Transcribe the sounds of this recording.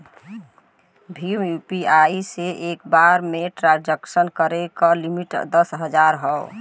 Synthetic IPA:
bʱimjupiaiseʔekbaɾmeʈɾãnd͡ʒəksənkəɾekəlimiʈd̪əsɦəd͡ʒaɾɦɔo

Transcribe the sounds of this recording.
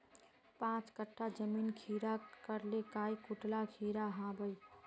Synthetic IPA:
pãt͡ʃkəʈʰːad͡ʒəmiːnkʰiɾakəɾlekaikuʈlakʰiːɾaɦãbəj

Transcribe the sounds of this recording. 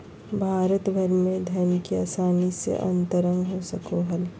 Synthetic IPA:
bʱaːɾət̪bʱɐɾmẽd̪ʱɐɾnkiaːsaːnisḛʔɐ̰̃nt̪əɾə̃ŋɡɦosɐkoɦɐl

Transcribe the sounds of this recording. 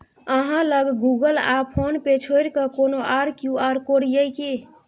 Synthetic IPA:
əɦãləɡɡuɡəlapʰonpet͡ʃʰoɾkəkonoʔaɾkjuaɾkoɽjəjki

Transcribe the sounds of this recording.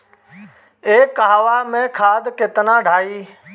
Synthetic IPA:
eːkːaɦʋaːmẽːkʰaːd̪kɪt̪nãːɖʱaːiː

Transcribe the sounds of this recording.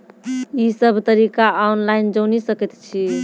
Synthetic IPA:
isəbʱt̪əɾikaanlaind͡ʒənisəkɛt̪t͡ʃʰi

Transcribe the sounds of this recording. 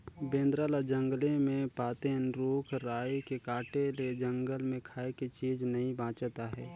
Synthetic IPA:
bẽːnd̪ɾaːlad͡ʒə̃ŋɡlemẽpaːt̪enɾoːkʰɾaːekekaːʈeled͡ʒə̃ŋɡəlmẽkʰaːekit͡ʃiːd͡ʒnɐɦĩbãːt͡ʃt̪aɦɛː

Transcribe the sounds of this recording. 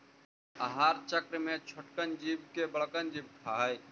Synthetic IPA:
əɦaːɾt͡ʃəkɾmẽt͡ʃʰoʈkənd͡ʒib̚kebəɭkənd͡ʒiːb̚kʰaɦəj

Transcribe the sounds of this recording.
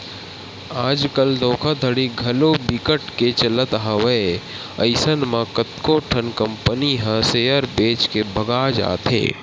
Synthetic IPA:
aːd͡ʒkəld̪oːkʰad̪ʱəɽiɡʱɐlobikəʈket͡ʃɐlət̪ɦawəe | ɐɪsənmãkət̪koʈʰənkə̃mpəniɦɐ̃sejəɾbeːt͡ʃkebʱəɡaːd͡ʒa̰ːt̪ʰɦḛː

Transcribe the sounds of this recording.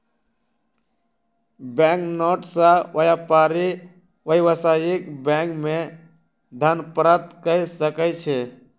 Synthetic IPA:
bɛ̃ŋknoʈsaʔəjapaːɾi | ʋəɦiʋəsajikbɛ̃ŋkmẽ | d̪ʱənpɾət̪kəisəkət͡ʃʰe

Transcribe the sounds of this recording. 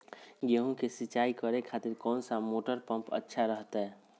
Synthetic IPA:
ɡeɦõkesɪt͡ʃaːikəɾekʰaːt̪ɪɾkɔːnsamoːʈəɾpə̃mpə̰tːʃʰaɾəɦt̪ɦɛː

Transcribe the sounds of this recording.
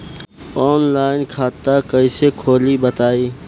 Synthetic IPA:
ɔːnlaːɪnkʰaːt̪ːakɐĩsekʰoːlibət̪aːiː

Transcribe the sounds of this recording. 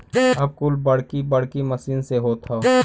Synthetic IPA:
ɐb̚kʊlbɐɽ̤kibɐɽ̤kimɐsiːnseɦoːt̪ʰa

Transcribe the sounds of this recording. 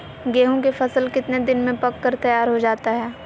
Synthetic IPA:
ɡeːɦõkefɐsəlkɪt̪ned̪ɪnmẽpɐkːəɾt̪ɐjaːɾɦod͡ʒaːt̪aɦɛː

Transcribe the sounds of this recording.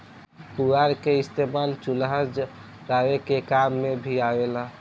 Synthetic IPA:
kuɾaɾkeɪst̪emalt͡ʃʊlɦəd͡ʒ | ɾaːwekekamːẽbʱiaʋela

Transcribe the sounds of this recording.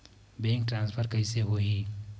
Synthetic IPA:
bẽːŋk̚ʈɾãːnspʰəɾkəɪseɦoɦiː

